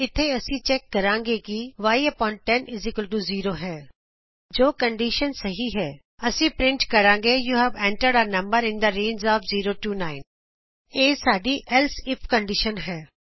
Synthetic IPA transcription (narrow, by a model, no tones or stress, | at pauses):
ɪt̪ʰːeːəsĩːt͡ʃɛːkːəɾãːŋɡeːkiʋaːjepɔːɪɳʈ̚ʈːɛnɪzɪkəlʈuːziːɾoːɦɛː | d͡ʒoːkəɳɖiːʃənsəɦiːɦɛː | əsĩːpɾɪɳʈkəɾãːŋɡeːjuːɦɛːʋɛ̃ːɳʈəɖaːɾnə̃mbəɾɪ̃nd̪aɾẽːnd͡ʒɔːpʰziːɾoːʈuːnaːɪn | eːsaːɖiːʔɛlsɪpʰkəɳɖɪʃənɦɛː